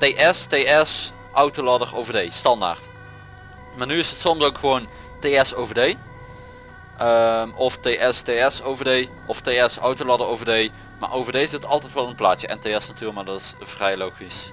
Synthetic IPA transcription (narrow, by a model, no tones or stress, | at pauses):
teːʔɛsteːɛs | ʔɔwtolɑdərowvəɹdejstɑnda̰rt | maːnyɪsətsɔmsowkχəʋown | teːɛsowvədej | ʔəmɔftejʔɛsteɛsowvədej | ʔɔftejɛsɔwtolɑdərowvəɹdej | ma̰ɹʔowvərdejɪzɪtɑlˠtɛjtʋɛlˠənplaːtjəʔɛ̰nteːɛsnatyːləkmaːdɔtɪsv̥rɛjlowχis